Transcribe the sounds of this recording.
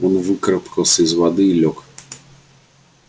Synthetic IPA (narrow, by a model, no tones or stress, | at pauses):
ɔnvɨkɾɐpkɐlˠsʲɐizvad̪ɨilʲɔk